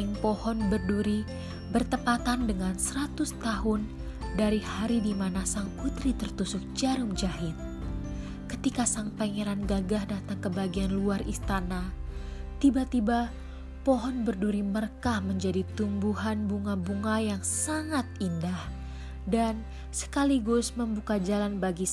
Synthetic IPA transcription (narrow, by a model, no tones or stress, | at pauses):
ɪŋpɔhɔnbərduɾi | bərt̪əpat̪andəŋansəɾat̪ʊst̪aɦʊn | daɾihaɾidimanasaŋput̪ɾit̪ərt̪usʊk̚d͡ʒaɾʊŋd͡ʒaɦɪt̪̚ | kət̪ikasaŋpaŋeɾanɡaɡahdat̪aŋkəbaɡianluarist̪ana | t̪ibat̪iba | pɔɦɔnbərduɾimərkahməɲd͡ʒadit̪umbuɦanbuŋabuŋajaŋsaŋat̪̚indah | dan | sə̥kaliɡʊsməmbukad͡ʒalanbaɡi